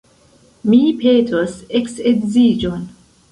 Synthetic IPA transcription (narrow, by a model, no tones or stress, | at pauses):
miːpʰeːtʰosekseɡziːd͡ʒon